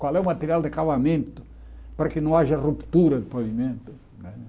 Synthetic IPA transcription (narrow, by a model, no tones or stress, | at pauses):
kwalɛumɐt̪eɾialˠd̪akaβamẽnt̪ʊ̥ | pɐɾɐkɪnɐ̃w̃aʒɐrupt̪uɾɐd̪ɪpɐvimẽnt̪ʊ̥ | nɛ